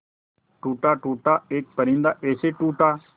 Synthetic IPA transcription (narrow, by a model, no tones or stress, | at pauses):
ʈuːʈaːʈuːʈaːeːk̚pəɾĩːnd̪aːʔeːseːʈuːʈaː